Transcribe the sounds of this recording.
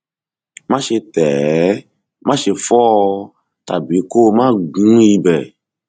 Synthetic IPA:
mã˦ʃe˧t̪ɛ˨˦ | mã˦ʃe˧fɔ˦ | t̪a̰˨bi˨˦ko˦˧mã˦ɡũ˦ji˧bɛ˨

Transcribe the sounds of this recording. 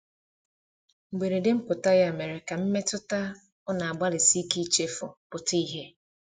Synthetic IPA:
ŋ͡m̩˨ɡ͡be˨ɾe˨de˦m̩˦pʊ˨ta˦ja˦˨me˨ɾɪ˨ka˨m̩˦me˦tʊ˦ta˦ | ʊ˦na˨a˨ɡ͡ba˦lɪ˨si˦ki˦t͡ʃe˦fʊ˨pʊ˨ti˦ɦe˦

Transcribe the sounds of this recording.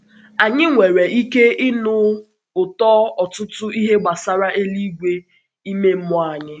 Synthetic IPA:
a˨ɲɪ˦ŋʷe˨ɾe˨i˦ke˦ɪ˦nʊ˦ | ʊ˨tɔ˦ɔ˨tʊ˦tʊ˦i˦ɦe˦ɡ͡ba˨sa˦ɾa˦ʔe˦li˦ɡʷe˦ | i˦me˦m̩˦mʊ˦a˨ɲɪ˦

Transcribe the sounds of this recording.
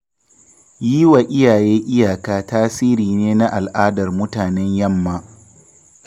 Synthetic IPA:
jiː˦wa˨ʔɪ˦jaː˨jeː˦ʔʲɪ˦jaː˨kaː˦taː˦siː˦ɾiː˨neː˦na˦ʔa˨lʔaː˦dɐ˨rmʊ˦taː˨nɛ˦ɲjɐ˦mːa˦

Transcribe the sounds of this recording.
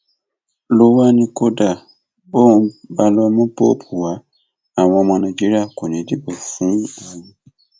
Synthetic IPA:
lo˦wa˦nĩ˧ko˦da˦˨ | bo˦ũ˧ba˧lɔ˧mɔ̃˦bo˦pʰu˨wa˨˦ | a˨w̃ɔ̃˧a˧mɔ̃˧nã˨d͡ʒi˦ɾi˦a˦˨ko˨nĩ˨˦di˨˦bo˨fũ˨˦a˨ũ˧

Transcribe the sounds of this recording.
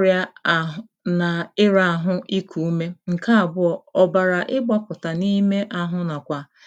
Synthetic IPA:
ɾja˦˨ | na˨ɪ˦ɾa˦a˨ɦʊ˦ʔi˦kʰu˨u˦me˦ŋ̩˨ka˦a˨bʊ˦ɔ˨ɔ˨ba˨ɾa˨ʔɪ˦ɡ͡ba˦pʊ˨ta˨ni˦me˦ʔa˦ɦʊ˦na˨kʷa˨

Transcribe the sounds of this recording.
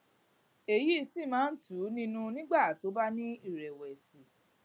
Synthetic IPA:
e˨ji˦˧si˦˨mãː˨˦n̩˦tu˨˦nĩ˦nũ˧nĩ˦ɡ͡ba˦˨to˨˦ba˦nĩ˦i˦˨ɾɛ˨wɛ˨si˨˦

